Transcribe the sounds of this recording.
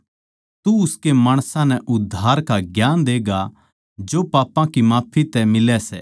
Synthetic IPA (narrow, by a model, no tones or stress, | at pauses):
t̪uʊskemaːɽ̃sãnɛʔʊd̪ʱːaːɾkaɡjaːnd̪eːɡa | d͡ʒoːpaːpãkimaːpʰit̪ɛmɪlɛsɛ